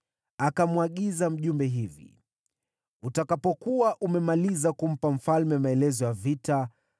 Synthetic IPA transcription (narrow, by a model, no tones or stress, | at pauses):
akamwaɠizam̩ʄumbɛɦivḭ | utakapɔkuwaʔumɛmalizakum̩pam̩falmɛmaɛlɛzɔjavita